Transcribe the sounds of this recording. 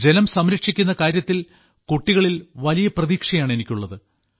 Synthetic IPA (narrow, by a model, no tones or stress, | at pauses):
d͡ʑe̞nɐmsɐmɾɐkʂikʲːunːɐkaːɾjɐt̪ːil | koʈːiɣɐɭilʋɐlijɐprɐðiːkʂɐjaːɳe̞nikʲːuɭːɐðɨ